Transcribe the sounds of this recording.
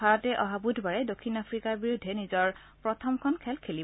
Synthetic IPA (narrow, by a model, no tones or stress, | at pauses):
aɹɔtɛʔɔɦabudʱbaɹɛdokʰːinapʰɹikaɹbiɹudʱːɛnizɔɹ | pɹɔtʰɔmkʰɔnkʰɛlkʰeli